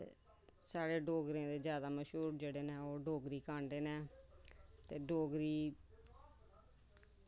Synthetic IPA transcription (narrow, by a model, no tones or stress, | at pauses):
ḛ | saːɽeːɖoːɡɾẽːd̪eːzjaːd̪aːməʃɦuːɾd͡ʒeːɽeːnɛːoːɖoːɡɾiːkãːɳɖeːneː | t̪eːɖoːɡɾiː